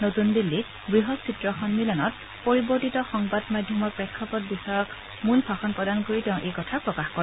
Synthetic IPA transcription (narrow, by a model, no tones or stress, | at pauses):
notunbilːi | ɡɹiɦɔsʰitɹɔxɔnmilɔnɔt̚ | poɹibɔɹtitɔxɔŋbadmadʱjɔmɔɹpɹɛkʰːɔpɔt̚bisɔɹɔk | munpʰaxɔnpɹɔdankoɹitɛ̃ʊ̃ʔejkɔtʰapɹɔkaxkɔɹɛ